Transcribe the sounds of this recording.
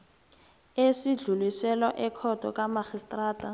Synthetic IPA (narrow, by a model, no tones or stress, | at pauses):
esiɮulisɛlɔʔɛkʰɔd̥ʱɔ̰kʼamaxistʼraːtʼa